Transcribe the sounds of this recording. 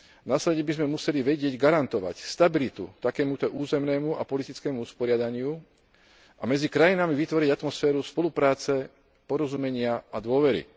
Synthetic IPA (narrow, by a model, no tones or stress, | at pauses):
naslɛɟɛbizmɛmusɛliʋɛɟɪɛɟɡaɾant̪ɔʋa̰cst̪abilit̪ṵt̪akɛːmut̪ɔʔuːzɛmnɛːmua̰pɔlit̪it͡skɛːmuuspɔɾɪad̪aɲɪu | ʔamɛd͡zikɾajinamiʋit̪ʋɔɾiɟat̪mɔsfɛːɾuspɔlupɾaːt͡sɛ | pɔɾɔzumɛɲɪaad̪ʊɔʋɛɾḭ